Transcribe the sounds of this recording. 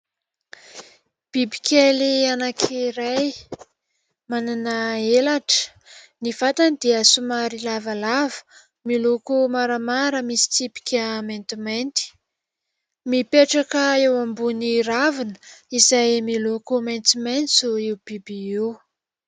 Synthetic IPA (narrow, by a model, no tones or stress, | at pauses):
b̥ibi̥kʲʰelianakʰiɾaj | mananəelaʈ͡ʂə̥ | nifat̪anid̪iəsumaɾilavalavə̥ | milokumaɾamaɾəmisi̥t̪ipi̥kʲəment̪iment̪i̥ | mipeʈ͡ʂakəewambuniɾavinə̥izajmilokumant̪iment̪t͡ssoiwb̥ibiiw